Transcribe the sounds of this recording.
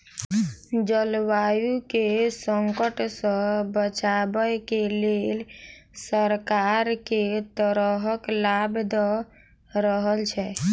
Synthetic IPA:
d͡ʒəlwajukesəŋkəʈsə̃bət͡ʃabəjkelel | səɾkaɾket̪əɾəɦəklabd̪ɔ | ɾəɦəlt͡ʃʰɛ

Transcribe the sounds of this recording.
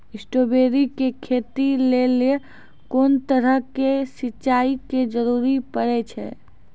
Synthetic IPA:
ɪsʈobeɾikekʰeːt̪ilele | koːnt̪əɾəɦkesɪtːt͡ʃaːiked͡ʒəɾuːɾipəɽɛt͡ʃʰɛ̰

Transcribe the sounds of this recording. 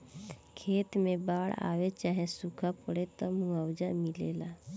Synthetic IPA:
kʰeːt̪mẽbaːɽa̰ːwet͡ʃaːɦesukʰapəɽet̪ɔmũəwd͡ʒamɪleːlaː

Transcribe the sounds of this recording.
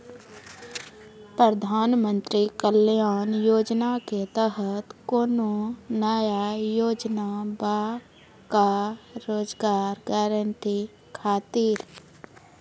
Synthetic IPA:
pɾəd̪ʱaːnmə̃nt̪ɾikəljaːnjoːd͡ʒnaket̪əɦət̪koːnonəːjajoːd͡ʒnaba | kaɾoːd͡ʒɡaːɾɡɛːɾəɳʈi | kʰaːt̪iːɾ

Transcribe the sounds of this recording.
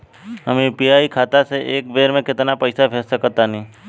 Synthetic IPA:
ɦəmẽpiaːikʰaːt̪aseʔeːkbeːɾmẽkɪt̪napɐɪsabʱessəkːəɾt̪anĩː

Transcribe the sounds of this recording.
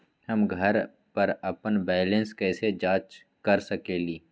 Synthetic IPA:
hɐmɡʱɐɾ | pɐɾɐpənbɛːlə̃nskɛːsed͡ʒaːt͡ʃ | kɐɾsɐkeːliː

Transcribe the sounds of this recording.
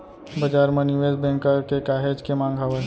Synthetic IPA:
bɐd͡ʒaːɾmɐ̃nuʋeːzbɛ̃ːŋkakekaːɦeːd͡ʒkemãːŋɡʱaːwe

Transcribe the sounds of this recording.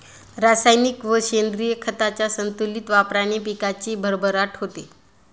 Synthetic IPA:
ɾasajnikʋəɕend̪ɾijəkʰət̪at͡ɕjasənt̪ulit̪ʋapɾañipikat͡ɕiːbʱəɾbʱəɾaʈɦot̪e

